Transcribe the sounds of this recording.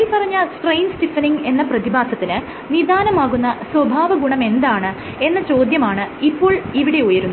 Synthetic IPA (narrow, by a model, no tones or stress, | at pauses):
ipɐrɐɲːaːlsʈrɐjnsʈifɐniŋɡe̞nːɐprɐðibaːsɐt̪ːinɨ | nid̪aːnɐmaːɣunːɐswɐbʱaːʋɐɡuɳɐme̞nd̪aːɳɨ | e̞nːɐt͡ɕo̞ːd̪jɐmaːɳɨipːo̞ːɭiʋiɽe̞ujɐɾunːu